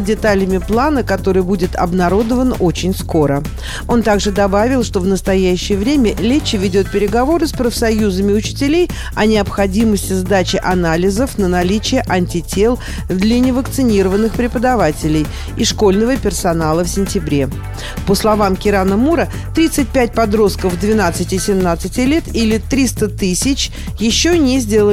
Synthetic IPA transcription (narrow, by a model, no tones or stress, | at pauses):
dʲɪt̪alʲɪmʲɪplˠanəkɐt̪o̞ɾɨjbudʲɪt̪ɐ̰bnɐɾo̞d̪əvəno̞t͡ɕɪnʲsko̞ɾə | o̞nt̪aɡʐɨd̪ɐbavʲɪlˠʂt̪o̞vnəst̪ɐjæɕːɪjəvɾʲemʲəlʲet͡ɕːɪvʲɪdʲo̞t̪̚pʲɪɾʲɪɡɐvo̞ɾɨspɾəfsɐjuzəmʲɪʊt͡ɕɪ̥tʲɪlʲej | ɐnʲɪɐpxɐdʲiməsʲtʲɪzd̪at͡ɕɪʔɐnalʲɪzəfnənɐlʲit͡ɕɪjəʔɐnʲtʲɪtʲelˠ | d̪lʲənʲɪvəkt̪sɨnʲiɾəvənːɨxpɾʲɪpəd̪ɐvatʲɪlʲɪj | ɪʂko̞lʲnəvəpʲɪrsɐnalˠəfsʲɪnʲtʲɪbɾʲe̞ | pəslˠɐvamkʲɪɾanəmuɾə | t̪ɾʲit̪sɨt̚ʲpʲæt̚ʲpɐd̪ɾo̞st̪̚kəvd̪vʲɪnat̪sɨtʲɪsʲɪmnat̪sɨtʲɪlʲet̪ilʲɪt̪ɾʲist̪ət̪ɨsʲɪt͡ɕ | jɪɕːonʲezʲdʲe̞lˠə